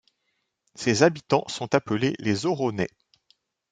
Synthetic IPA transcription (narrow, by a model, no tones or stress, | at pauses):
sezabit̪ɑ̃sɔ̃t̪apəlelezɔʁɔnɛ